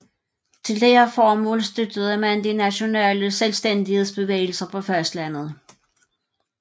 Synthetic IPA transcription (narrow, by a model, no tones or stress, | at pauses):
t͡sʰe̝ld̥eɐfɒːmɔ̰̽ːlsd̥ød̥ð̞̩ˠəmænd̥inæɕo̝nɛ̰ːləselsd̥en̰d̥ihe̝ðˠsb̥e̝ʋḛːɪl̩sɐpʰɒ̽fɶɐsd̥læn̰ð̞̩ˠ